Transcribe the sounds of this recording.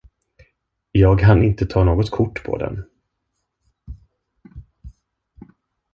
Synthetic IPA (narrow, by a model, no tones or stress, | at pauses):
jɑːɡkʰanɪnt̪ət̪ʰɑːnoːɡɔt̪kʰʊʈːpʰɔ̰d̪ɛ̰n